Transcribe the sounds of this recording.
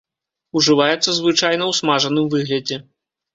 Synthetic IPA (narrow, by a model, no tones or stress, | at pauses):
uʐɨvajɛt̪sːɐzvɨt͡ʂajnɐwsmaʐɐnɨmvɨɣlʲɐd͡zʲɛ